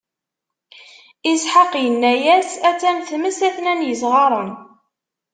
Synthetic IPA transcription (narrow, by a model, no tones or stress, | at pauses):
isħəqːjənːæjæsæt͡sːæmθməsæθnænjəsʁɑɾˤən